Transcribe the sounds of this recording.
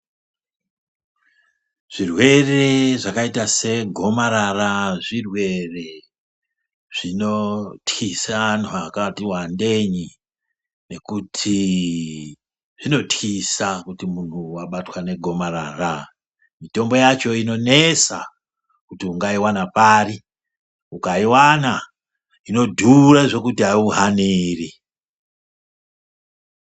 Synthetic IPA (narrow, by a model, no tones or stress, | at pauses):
ʐ̥irwe̞re̞ʐakaitase̞ɡʱo̞maɾaraʐirwe̞re̞ | ʐ̥ino̞txisanuakatiwande̞ɲi | ne̞kutʰi | ʐ̥ino̞tisakutimun̤uwaɓatwane̞ɡʱo̞marara | mito̞mbo̞jat͡ʃo̞ino̞nesa | kutiuŋɡaiwanapari | ukaiwana | ino̞dʱuraʐo̞kutiɦaiuɦaniri